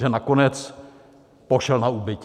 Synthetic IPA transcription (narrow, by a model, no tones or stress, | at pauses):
ʒɛnakonɛt͡s | poʃɛlnaubɪc